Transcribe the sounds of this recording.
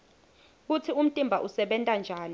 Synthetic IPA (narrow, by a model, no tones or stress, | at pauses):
k̬utʰium̩tʼimbʱaʔusɛɓɛntʼand͡ʒʱaːni